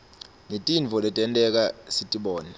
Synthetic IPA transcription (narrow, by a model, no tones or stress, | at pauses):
ŋetʼinvʱɔlɛtʼɛntʼɛk̬asitʼiɓɔːna